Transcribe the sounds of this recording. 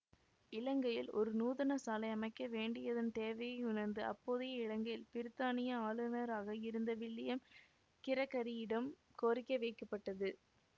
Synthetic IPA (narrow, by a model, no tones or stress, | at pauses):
ɪlɐŋɡɐjɪlɔ̰ɾɯnuːðɐnɐsaːlɐɪɐmɐɪkːɐʋeːɳɖɪjɐðɐnt̪eːʋɐjɐɪʊnɐɾnd̪ɯɐ̰pːoːðɪjɐɪɻɐŋɡɐjɪlpɪɾɯt̪ːaːnɪjɐaːlɯnɐɾaːɣɐɪɾɯnd̪ɐʋɪɭːɪjɐm | kɪɾɐkːɐɾɪjɪɽɐm | koːɾɪkːɐʋɛɪkːɐpːɐʈːɐðɯ